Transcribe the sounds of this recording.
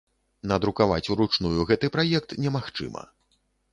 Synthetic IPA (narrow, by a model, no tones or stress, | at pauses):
nɐd̪ɾukava̰t͡sʲuɾut͡ʂnujuɣɛt̪ɨpɾajɛk̚t̪nʲɛmaxt͡ʂɨ̰mɐ̰